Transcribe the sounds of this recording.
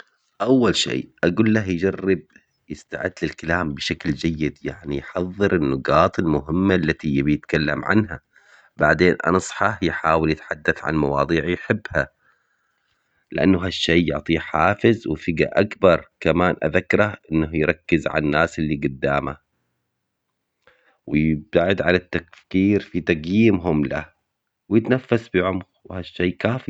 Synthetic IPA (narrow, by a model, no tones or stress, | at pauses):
ʔawːalʃḛːʔaɡuːlːahjd͡ʒarːɪb̚ | jɪst̪a̰ʕɪd̪ːlɪlkalaːmbʃakld͡ʒajːɪd̪jaʕnijħɑðˤːɨɾʔɪnːʊɡɑːt̪ˤɪlmʊɦɪmːaʔlːat̪ijbjɪt̪kalːamʕa̰nɦa | baʕd̪eːnʔɑ̰nsˤħɑjħaːwɪljɪt̪ħad̪ːaθʕa̰nmɑwɑ̰ːðˤiːʕjħɪbːha | lɪʔa̰nːaɦaʃːejːʊʕt̪ˤiːħaːfɪzwɪfɪɡa̰ʔakbɑɾˤkamaːnʔa̰ðakːɾˤɑhʔɪnːahjɾˤɑkːɪzʕa̰nːaːsɪlːiɡʊd̪ːaːma̰ | wɪjɪb̚t̪aʕɪd̪ʕanɪt̪ːakfkiːɾfit̪aɡjiːmɦʊmla̰ | wjɪt̪nafːasbɪʕʊmɣwhaʃːeːkaːfi